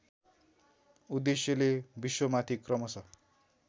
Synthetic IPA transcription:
ud̪esjʌlebiswʌmat̪ʰikrʌmʌsʰʌ

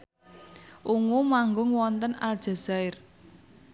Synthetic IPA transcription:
ʔuŋumaŋɡʊŋwɔnt̪əna̰ld̥ʒ̥a̤z̥aɪr

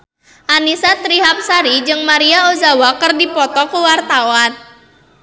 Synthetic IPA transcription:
ʔanisat̪ɾiɦap̚saɾid͡ʒɨŋmaɾiaozawakərdipɔt̪ɔkuwart̪awan

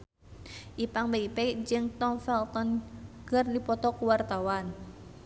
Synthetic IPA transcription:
ʔipaŋbeipɛd͡ʒɨŋt̪ɔŋfɛlt̪ɔnɡɨrdipɔt̪ɔkuwart̪awan

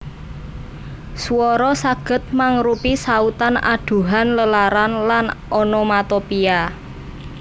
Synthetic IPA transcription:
suwɔɾɔsaɡ̥ə̤t̪̚maŋɾupisaut̪ana̰ɖ̪̥ṳɦanləlaɾanlanɔnɔmat̪opia

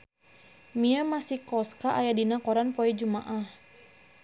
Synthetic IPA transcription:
miamasikɔskaʔajadinakɔɾanpɔɛd͡ʒumaʔah

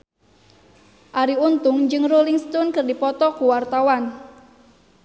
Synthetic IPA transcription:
ʔaɾiunt̪ʊŋd͡ʒɨŋroliŋst̪ɔnkɨrdipɔt̪ɔkuwart̪awan

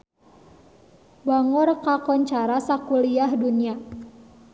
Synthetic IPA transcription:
baŋɔrkakɔɲt͡ʃaɾasakuliahdunia

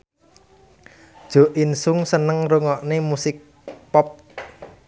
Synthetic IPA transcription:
d̥ʒ̥o̤ʔinsʊŋsənəŋruŋɔʔnemusɪk̚ | pɔp̚

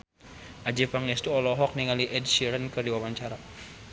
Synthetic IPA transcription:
ʔad͡ʒipaŋɛst̪uɔlɔɦɔk̚niŋaliʔɛd̚siɾənkɨrdiwawaɲt͡ʃaɾa

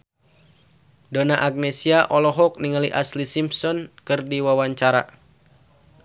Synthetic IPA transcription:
donaʔak̚nesiaʔɔlɔɦɔk̚niŋaliʔaslisimpsɔnkɨrdiwawaɲt͡ʃaɾa̰

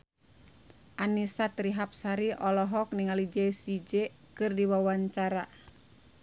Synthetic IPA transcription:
ʔanisat̪ɾiɦap̚saɾiʔɔlɔɦɔk̚niŋalid͡ʒɛsid͡ʒɛ | kɨrdiwawaɲt͡ʃaɾa

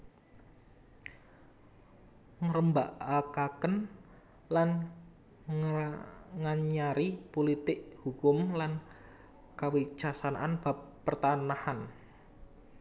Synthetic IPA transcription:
ŋəɾəmbaʔakakən | lan | ŋaɲaɾipolit̪ɪʔhukʊmlan | kawi̥ʒ̥asanaʔanb̥a̤pːərt̪anahan

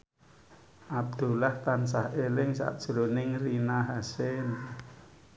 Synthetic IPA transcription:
ʔab̚d̪̥ṳlaht̪ans̬ahelɪŋsa̰ʔd̥ʒ̥ulonɪŋrinaɦasen

